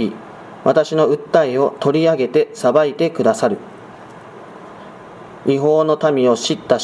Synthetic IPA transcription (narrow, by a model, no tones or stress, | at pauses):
i | βat̪aɕino̞ɯ̟t̪ːaeo̞t̪o̞ɾʲiaɡe̞t̪e̞sabait̪e̞kɯ̟d̪asaɾɯ̟ | iɦo̞ːno̞t̪amʲio̞ɕit̪ːa